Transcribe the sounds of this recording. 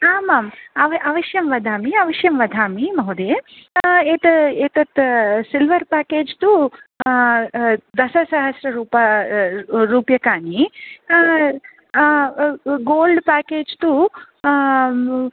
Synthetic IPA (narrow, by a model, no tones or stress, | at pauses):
aːmaːmɐʋʔɐʋɐʃjɐmʋɐd̪ʱaːmiɐʋɐʃjɐmʋɐd̪ʱaːmimɐɦud̪eː | eːt̪eːt̪ɐt̪silʋɐɾpaːkeːd͡ʒt̪u | d̪ɐsɐsɐɦɐsɾɐɾuːpɐ | ɾuːpjɐkaːni | ɡoːlɖpaːkeːd͡ʒt̪u